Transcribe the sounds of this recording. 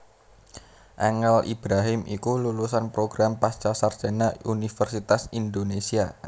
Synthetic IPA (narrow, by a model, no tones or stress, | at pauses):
ʔɛŋɛlʔḭb̥ɾaɦɪmikululusanpɾoɡ̥ɾampast͡ʃasard͡ʒ̥ɛnaunifərsit̪asind̪onesia